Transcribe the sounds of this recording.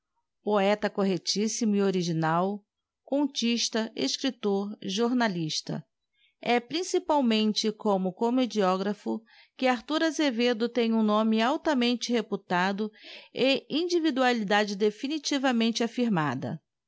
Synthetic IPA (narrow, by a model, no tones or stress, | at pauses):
poɛt̪ɐkoɦet͡ʃisimʊioɾiʒinaw | kõnt͡ʃiʃt̪ɐḛʃkɾit̪oɾʒoɾnaliʃt̪ɐ̰ | ɛpɾĩsipawmẽnt͡ʃɪkõmʊkomed͡ʒiɔɡɾɐfʊ | kɪaɾt̪uɾɐzeved̪ʊt̪ẽj̃ũnõmɪawt̪ɐmẽnt͡ʃɪheput̪ad̪ʊɪĩd͡ʒivid̪ualid̪ad͡ʒɪd̪efinit͡ʃivɐmẽnt͡ʃɪafiɾmad̪ɐ̰